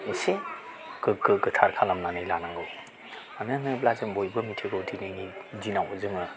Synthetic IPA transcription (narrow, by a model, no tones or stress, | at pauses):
ɯse | kɯkːɯkɯtʰaɾkʰalamnanɯjlanaŋɡɯw | anɯnɯblazɯmbojbɯmitʰeɡowdʰinɯjnizinawzɯŋɯ